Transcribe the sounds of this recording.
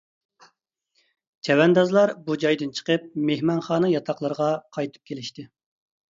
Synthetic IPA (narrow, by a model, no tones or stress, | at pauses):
t͡ʃʰɛwɛnd̪ɑzlˠɑɾbud͡ʒɑjd̪ɨnt͡ʃʰə̥qəp̚mehmɑnχɑːnɨjɑt̪ʰɑqlˠəɾʁɑqʰɑjt̪ʰɨ̥p̚kʲʰelɪʃt̪ɪ